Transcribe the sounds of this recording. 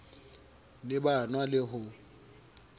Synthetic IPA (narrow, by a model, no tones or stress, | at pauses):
lɪbanwalɪɦʊ